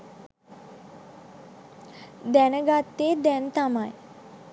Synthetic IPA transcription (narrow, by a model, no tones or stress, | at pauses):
d̪ænəɡat̪ːeːd̪ɛnt̪amaj